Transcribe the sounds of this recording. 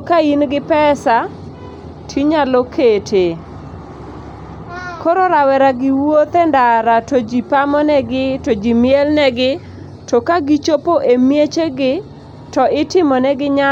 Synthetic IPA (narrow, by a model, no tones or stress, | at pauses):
kainɡɪpɛsa | tʰiɲalokʰetʰe | koɾɔɾawɛɾaɡɪwot̪ɛndaɾatod͡ʒipamɔnɛɡɪtod͡ʒimɪɛlnɛɡɪ | tɔkaɡit͡ʃopoʔemjet͡ʃeɡɪ | tɔɪtɪmɔnɛɡɪɲa